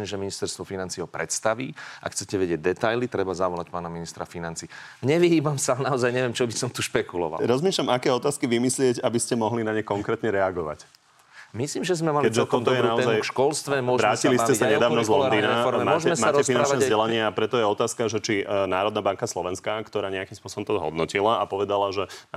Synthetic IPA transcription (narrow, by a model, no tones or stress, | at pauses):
ɛʒɛminist̪ɛɾst̪ʋɔfinant͡siːɔpɾɛt̪st̪aʋiʔa̰kxt͡sɛcɛʋɛɟɪɛɟ̚d̪ɛt̪ajlit̪ɾɛbazaʋɔlacpaːnaminist̪ɾafinant͡siːɲɛʋiɦiːbamsanaɔzajɲɛʋɪjɛmt͡ʃɔbisɔmt̪uʃpɛkulɔ̰ʋa̰lɾɔzmiːʃlamakɛːɔt̪aːskiʋimislɪɛɟabiscɛmɔɦlinaɲɛkɔŋkɾɛːt̪ɲɛɾɛaɡɔʋa̰c | misliːmʒɛzmɛmalkɛɟʒɛt̪ɔt̪ɔjɛnaɔzajʃkɔlst̪ʋɛmʊʊɔʋɾaːciliscɛsaɲɛd̪aːʋnɔzlˠɔd̪iːnamaɔcɛɛsaaːɾɛsinant͡ʃnɛzɟɛlaɲɪɛapɾɛt̪ɔjɛɔt̪aːskaʒɛt͡ʃinaːɾɔd̪nabaŋkaslɔʋɛnskaːkt̪ɔɾaːɲɛakimspʊɔsɔbɔmt̪ɔzɦɔ̰d̪nɔcilaapɔʋɛd̪alaʒɛ